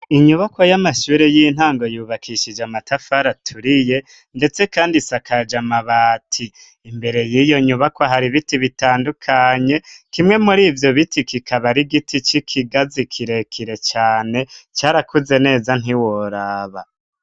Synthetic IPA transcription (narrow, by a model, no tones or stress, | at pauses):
iɲuβakwojamaʃuːɾejin̥haːŋɡo̞juːβakʰiʃid͡ʒamatʰafaɾatʰuɾije̞ | nde̞t͡se̞kaːndisakʰad͡ʒamaβaːtʰiː | mbe̞ɾe̞jiːjo̞ɲuβakwaɦaɾiβitiβitaːndukʰaɲe̞kimŋe̞muɾiːvjo̞βitikikʰaβaɾiɡitʰit͡ʃikʰiɡazikʰiɾe̞kʰiɾe̞t͡ʃaːne̞t͡ʃaːɾakʰuze̞ne̞ːzan̥iwoɾaːβa